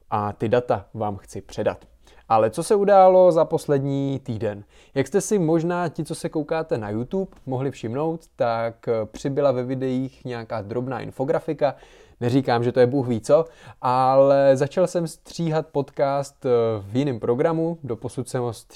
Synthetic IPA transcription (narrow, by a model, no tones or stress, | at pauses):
ʔat̪ɪdat̪avaːmxt͡sɪpr̝̥ɛda̰t̪ | ʔalɛt͡so̞sɛudaːlo̞zapo̞slɛdɲiːt̪iːdɛn | jakst̪ɛsɪmo̞ʒnaːcɪt͡so̞sɛko̞wkaːt̪ɛnajut̪uːpmoɦlɪfʃɪmno̞wt̪ːakpr̝̥ɪbɪlavɛvɪdɛjiːxɲɛakaːd̪ɾo̞bnaːʔɪ̰nfo̞ɡɾafɪka | nɛriːkaːmʒɛt̪ojɛbuːxviːt͡so̞ʔalɛzat͡ʃalsɛmst̪r̥iːɦat̪̚po̞t̪kaːst̪vjɪnɪmpɾo̞ɡɾamudo̞po̞sut̪sɛmɦost̪